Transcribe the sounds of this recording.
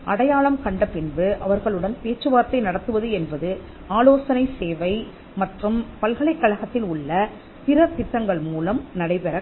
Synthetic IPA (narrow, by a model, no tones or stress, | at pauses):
ʔɐɽɐjaːɭɐmkɐɳɖɐpɪnbɯʔɐʋɐɾɣɐɭɯɽɐnpeːt͡ʃːɯʋaːɾt̪ːɐɪnɐɽɐt̪ːɯʋɐðɯɛnbɐðɯ | aːloːsɐnɐɪseːʋɐɪ | mɐʈrɯmpɐlɣɐɭɐɪkːɐɻɐɣɐt̪ːɪlʊɭːɐ | pɪɾɐt̪ɪʈ̪ːɐŋɡɐɭmuːlɐmnɐɽɐɪpɛɾɐ